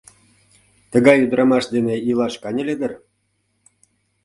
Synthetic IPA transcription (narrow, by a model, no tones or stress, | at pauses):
t̪ə̆ɣɑjyd̪ɾʔɑmɑʃd̪eneilˠɑʃkɑnʲɤ̆lʲed̪ə̆r